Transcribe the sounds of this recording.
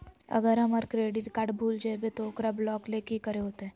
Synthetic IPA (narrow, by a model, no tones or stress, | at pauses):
ɐ̰ɡəɾɦɐməɾkɾeːɖɪʈkaːʈbʱuːld͡ʒabet̪okɾəblɔːklekikəɾeɦoːt̪eɦɛ̃ː